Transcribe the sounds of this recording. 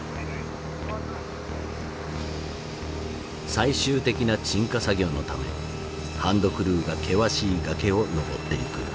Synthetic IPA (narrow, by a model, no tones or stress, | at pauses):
saiɕɨːt̪e̞kʲinat͡ɕĩŋkasaɡʲo̞nːo̞t̪ame̞̰ | hãnd̪o̞kɯ̟ɾɯ̟ːɡakʰe̞βaɕiːɡake̞o̞no̞bo̞t̪ːe̞ikɯ̟̰